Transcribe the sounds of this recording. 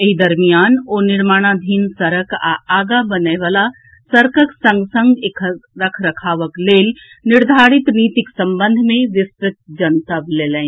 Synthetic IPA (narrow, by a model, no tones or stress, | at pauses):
eɦid̪əɾmijaːnoːnɪɾmaːɽ̃ad̪ʱiːnsəɾəka̰aːɡabənəʋaːla | səɾkəksə̃ŋɡsə̃ŋɡekʰɾəkʰɾəkʰaːʋəkleːl | nɪɾd̪ʱaːɾɪt̪niːt̪ɪksə̃mbə̃nd̪ʱmẽʋɪspɾɪt̪̚d͡ʒənt̪əbleːlɛ̃